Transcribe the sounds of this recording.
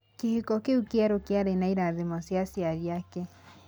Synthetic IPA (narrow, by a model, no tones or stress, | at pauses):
kehikɔkeukeaɾokeaɾenaiɾaðemɔsjasiaɾiakɛ